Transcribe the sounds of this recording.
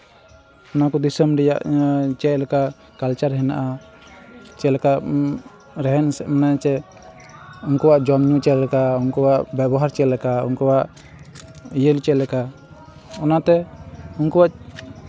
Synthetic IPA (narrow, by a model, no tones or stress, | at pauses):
ɔnakɔd̪isəmɾɛja̰ʔt͡ʃɛʔlɛka | kalt͡ʃaɾɦɛna̰ʔa | t͡ʃɛlɛkaʔ | ɾɛɦɛnsɛʔmanajt͡ʃɛ | unkɔwaʔd͡ʒɔmɲut͡ʃɛlɛkaunkɔwaʔbɛbɔɦaɾt͡ʃɛlɛkaṵnkɔwaʔ | ijəlt͡ʃɛlɛka | ɔnat̪ɛunkɔwaʔ